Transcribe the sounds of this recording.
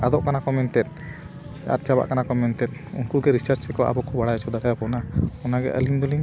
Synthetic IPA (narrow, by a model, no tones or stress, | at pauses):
ad̪ɔʔkanakɔmɛnt̪ɛt̪̚ | d͡ʒa̰t̪̚d͡ʒaba̰ʔkanakɔmɛnt̪ɛt̪̚ṵnkuɡɛɾisəɾt͡ʃɛkɔʔa̰bɔkɔbaɽajt͡ʃʰud̪aɡajɔkɔnaɔnaɡɛ̰ʔə̰linɡ̪ɔliŋ